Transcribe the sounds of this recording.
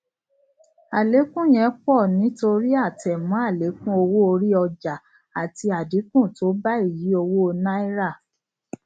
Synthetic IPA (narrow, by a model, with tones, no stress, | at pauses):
a˨le˨˦kũ˦˨j̃ɛ̃˨˦k͡pɔ˦˨nĩ˨˦to˧ɾi˦a˦˨tɛ˨mɔ̃˨˦a˦˨le˨˦kũ˦o˧wo˦o˧ɾi˦ɔ˧d͡ʒa˨ | a˨ti˧a˨di˨˦kũ˦˨to˨˦ba˦i˦˨ji˨˦o˧wo˦o˧na˦i˦ɾa˦˨